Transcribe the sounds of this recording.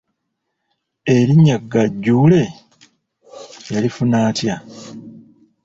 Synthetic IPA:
eɾiɲaɡːaɟːuːle̞ | jalifunaːtja

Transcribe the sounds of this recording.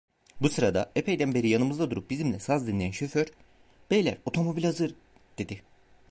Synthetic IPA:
busɯɾad̪aepʰe̞jd̪ænbe̞ɾijanɯmɯzd̪ad̪uɾup̚bizimlʲɛsazd̪inlʲejænʃø̞føɾ̥ | b̥ejlʲæ̰ɾo̞t̪ʰo̞mo̞bilʲhazɯɾ | d̪̥e̞d̪ɪ

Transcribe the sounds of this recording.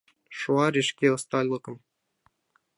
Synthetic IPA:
ʃuɑɾʲeʃkʲeɤ̆st̪ɑlʲlˠɤ̆kɤ̆m

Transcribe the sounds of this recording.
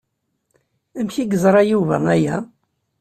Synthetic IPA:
æmçiɡəzˤɾˤɑjuvə̰ɾnæjæ

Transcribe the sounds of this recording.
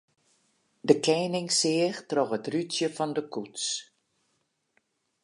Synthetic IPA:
dəkʰɛjnɪŋsɪəxtroxətrytjəfɔndəkuts

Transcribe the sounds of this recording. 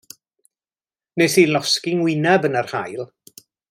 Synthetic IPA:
nesilˠɔskɪŋwɪnabənarha̰jlˠ

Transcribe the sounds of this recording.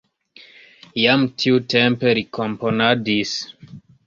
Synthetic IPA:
jamtʰiutempe̞ɾikʰomponadis

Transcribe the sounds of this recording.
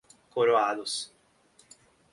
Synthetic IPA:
koɾoad̪ʊs

